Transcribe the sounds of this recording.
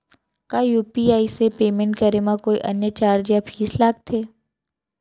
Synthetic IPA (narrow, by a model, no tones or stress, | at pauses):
kaːjuːpiaːisepeːmẽɳʈkəɾemãkoːiʔə̰njət͡ʃaːɾd͡ʒjãpʰiːslaːɡ̚t̪ʰeː